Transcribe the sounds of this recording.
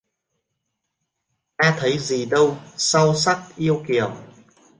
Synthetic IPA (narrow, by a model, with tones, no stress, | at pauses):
ʔaː˧t̪ʰə˨˦jzi˨˩ɗə˧wsa˧wsa˦˥k̚ʔi˧əwki˨˩əm